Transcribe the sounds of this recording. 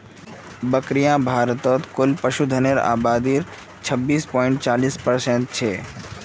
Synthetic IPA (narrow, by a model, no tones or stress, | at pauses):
bəkɾijãbʱaːɾt̪ɔt̪kʊlpəʃud̪ʱəneɾa̰ːbaːd̪iɾ | t͡ʃʰəbːiːspɔːɪ̃ɳʈt͡ʃaːliːspəɾsẽɳʈ̚t͡ʃʰeː